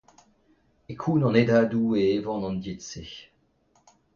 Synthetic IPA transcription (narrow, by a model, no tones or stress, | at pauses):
ekʰunɑ̃ned̪ad̪ueevɑ̃nɑ̃nd̪jetse